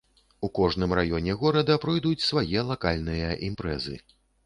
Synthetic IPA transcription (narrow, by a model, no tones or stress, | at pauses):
ukɔʐnɨmrajɔnʲɛɣɔɾɐd̪ɐpɾɔjd̪ut͡sʲsvajɛlˠakalʲnɨjɐʔimpɾɛ̰zɨ̰